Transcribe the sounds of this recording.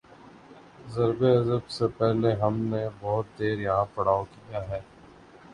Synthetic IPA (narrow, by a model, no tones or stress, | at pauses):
zɐɾbeɐzəbsepɛɦleɦɐmnebɔɦʊt̪̚d̪eːɾjɐɦãpɐɽ̤aːokijaɦɛː